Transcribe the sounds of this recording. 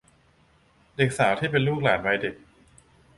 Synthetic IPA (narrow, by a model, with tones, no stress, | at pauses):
de˨˩k̚saː˩˦wt̪ʰiː˥˩pe˧nluː˥˩k̚laː˩˦nba˧jde˨˩k̚